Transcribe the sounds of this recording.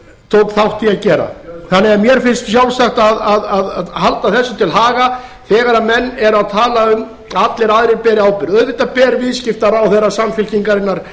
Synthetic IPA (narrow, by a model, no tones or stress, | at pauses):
t̪ʰowt̪θawht̪iaðcɛːɾa̰θanːɪamjɛɾ̥fɪnst̪sjawlsaxt̪aðaðaðaðhalt̪aθɛsːʏt̪ʰɪlɦaːɣaθɛːɣaɾamɛnːɛɾaðt̪ʰaːlaʏm | at̪lɪɾaðɾɪpɛːɾɪaːwpɪɾœðvɪht̪apɛːɾvɪðscɪft̪aɾawθɛrːasamfɪl̥ciŋkaɾɪnːaɾ̥